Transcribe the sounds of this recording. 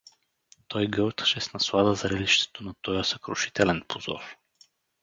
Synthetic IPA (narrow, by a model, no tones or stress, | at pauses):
t̪ɔjɡɤwˠt̪ə̥ʃɛsnɐslˠad̪əzɐɾɛliʃt̪ɛ̥t̪onɐt̪ɔjəsɐkɾʊʃi̥t̪ɛlɛnpʰozɔ̰ɾ